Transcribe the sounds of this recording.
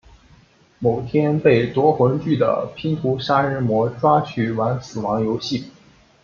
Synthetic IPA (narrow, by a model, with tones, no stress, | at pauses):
mo˨˩ʊt̪ʰjɛ˥npe˥˩ɪt̪wɔ˧˥xwə˧˥nt͡ɕy˥˩d̪ə̰˩pʰi˥ŋt̪ʰu˧˥ʂa˥ɻ̩˧˥mwɔ˧˥ʈ͡ʂwa˥t͡ɕʰy˥˩wa˧˥nsɹ̩˨˩wɑ˧˥ŋjo˧˥ʊɕi˥˩